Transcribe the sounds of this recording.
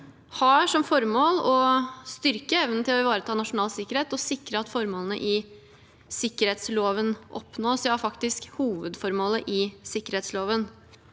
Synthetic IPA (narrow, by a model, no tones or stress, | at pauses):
hɑʂɔmfɔɾmoːlɔst̪ʏɾkəɛʋnət̪ʰɪlɔɪʋɑːɾət̪ʰɑːnɑʂʊnɑːlsɪkːəɾheːt̪ɔsɪkɾəɑt̪fɔɾmoːlənə̰ʔɪ | sɪkːəɾheːt̪sloːʋənʔɔ̰pnoːsɛhɑɾfɑkt̪ɪskhuːʋəd̪fɔɾmoːləʔɪsɪkːəɾheːt̪sloːʋən